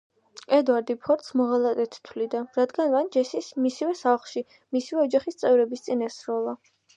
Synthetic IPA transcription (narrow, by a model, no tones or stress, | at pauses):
ɛd̪waɾd̪ipʰɔɾt̪smɔʁalˠat̪ɛt̪ʰt̪ʰwlid̪aɾad̪ɡanvand͡ʒɛsismisivɛsaχlˠʃi | misivɛɔd͡ʒaχist̪sʼɛvɾɛbist̪sʼinɛsɾɔlˠa